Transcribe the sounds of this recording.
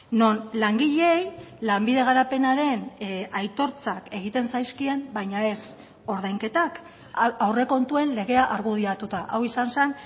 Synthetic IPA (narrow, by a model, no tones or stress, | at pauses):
no̞nlaŋɡiʎeejlambiðe̞ɣ̞aɾape̞naɾe̞najt̪o̞ɾt͡sake̞ɣ̞it̪e̞nsajskie̞mbajɲae̞s | o̞ɾð̞ajŋke̞t̪ak | awre̞ko̞nt̪ue̞nle̞ɣ̞e̞aʔaɾɣuð̞iat̪ut̪aʔawisansan